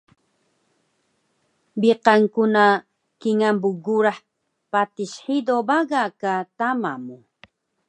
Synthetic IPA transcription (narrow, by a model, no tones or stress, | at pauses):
biqaŋkuna | kiŋambuɡuɾaħ | pat̪iʃħid̪obaɣakat̪amamu